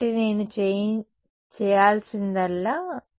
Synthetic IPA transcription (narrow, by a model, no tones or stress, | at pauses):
ʈineːnut͡ʃen | t͡ʃɛːjaːlsind̪ɐlːaː